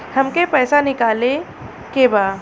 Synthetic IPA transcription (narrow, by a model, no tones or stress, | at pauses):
hɐmkepɛːsanɪkaːle | kebaː